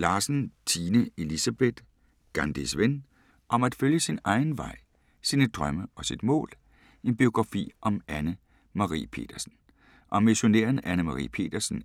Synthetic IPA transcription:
lɑ̈ːsn̩t͡sʰiːnəe̝lisæb̥e̝d̥ | ɡ̥ɑnd̥isʋen | ʔɒ̽mæd̥føljəsinɑ̈ɪnʋɑ̈ɪ̰ | siːnəd̥ʁɶməʔɒ̽sid̥mɔ̰̽ːl | e̝nb̥io̝ɡ̥ʁɑ̈fḭːʔɒ̽mænə | mɑ̈ʁḭːpʰe̝̰ːd̥ɐsn̩ | ʔɒ̽mːiɕo̝nḛːɐnænəmɑ̈ʁḭːpʰe̝̰ːd̥ɐsn̩

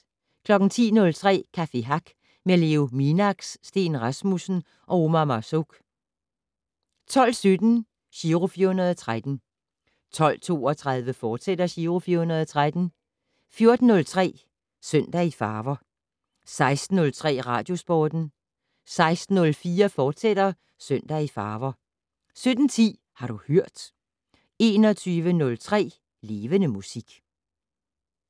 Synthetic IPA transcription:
kʰlɒ̽ɡ̥n̩t͡sʰḭːnɔ̽lt͡sʰʁɛ̰ːkʰæfe̝ɦɑ̈ɡ̥ | mele̝o̝minɑɡ̥sːd̥e̝̰ːnʁɑsmusn̩ | ʔɒ̽o̝mæmɑ̈soɡ̥ | t͡sʰɒ̽l̰sød̥n̩ | ɕiʁofiɐhunɐð̞ˠɒt͡sʰʁad̥n̩ | t͡sʰɒ̽l̰t͡sʰo̝̰ːɒt͡sʰʁað̞ˠʋəfɒːd̥sed̥ɐɕiːʁo̝fiːɐhunɐð̞ˠɒt͡sʰʁad̥n̩ | fjo̝ɐd̥n̩ːɔ̽lt͡sʰʁɛ̰ː | søn̰d̥æifɑːʋɐ | sɑ̈ɪsd̥n̩ːɔ̽lt͡sʰʁɛ̰ːʁɑ̈ːd̥jo̝sb̥ɒːd̥n̩ | sɑ̈ɪsd̥n̩ːɔ̽lfiːɐfɒːd̥sed̥ɐ | søn̰d̥æifɑːʋɐ | sød̥n̩t͡sʰḭː | hɑ̈ɾ̥uhøɐ̰d̥ | e̝ːnɒt͡sʰyːʋənɔ̽lt͡sʰʁɛ̰ː | le̝ːʋənəmusiɡ̥

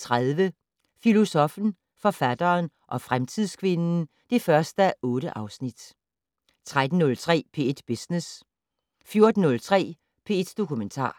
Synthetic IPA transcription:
t͡sʰʁaðˠʋə | filo̝sɒ̽fn̩ | fɒ̽fæd̥ɐːn | ʔɒ̽fʁamt͡sʰið̰ˠskʰʋe̝nn̩ | d̥e̝fɶɐsd̥æʔɔ̽ːɾəʔɑ̈ʊsnid̥ | t͡sʰʁad̥n̩ːɔ̽lt͡sʰʁɛ̰ːpʰe̝d̥b̥esnes | fjo̝ɐd̥n̩ːɔ̽lt͡sʰʁɛ̰ː | pʰe̝ːed̥d̥o̝kʰument͡sʰɑ̰̈ː

